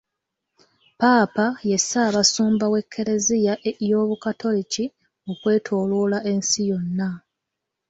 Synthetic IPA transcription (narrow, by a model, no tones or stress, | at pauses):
paːpaje̞saːβasuːmbawe̞kʰːe̞ɾe̞zijajo̞ːβukatʰo̞lici | okwe̞ːtʰoːloːlaʔe̞nsijo̞nːa